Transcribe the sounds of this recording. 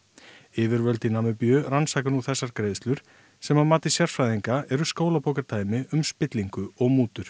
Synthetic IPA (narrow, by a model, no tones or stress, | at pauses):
ɪːvɪɾvœlt̪inamɛpjœːransaːkanuθɛsːaɾ̥kɾeːjðst̪lʏɾ̥ | sɛmamaːt̪ɪ̥sjaɾ̥fɾajðiŋkaɛɾʏskoːwlapowkaɾt̪ʰaːjmɪʔʏmspɪt̪liŋkʏɔɣmuːt̪ʏɾ̥